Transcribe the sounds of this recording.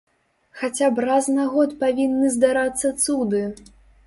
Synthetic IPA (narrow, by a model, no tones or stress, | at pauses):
xat͡sʲabraznaɣɔt̪pavʲinːɨzd̪aɾat̪sːɐt̪sud̪ɨ